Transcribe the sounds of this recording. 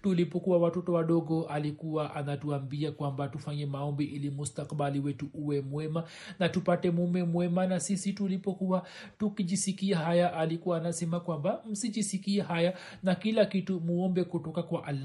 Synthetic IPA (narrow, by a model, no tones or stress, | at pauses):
tulipɔkuwawatɔtɔwaɗɔɡɔalikuwaʔanatuambiakwambatufaɲɛmaɔmbiʔilimustakɓaliwɛtuʔuwɛmwɛma | natupatɛmumɛmwɛmanasisitulipɔkuwa | tukiʄisikiaɦajaʔalikuwaːnasɛmakwambam̩siʄisikiɛɦaja | nakilakitumuɔmbɛkutɔkakwaʔal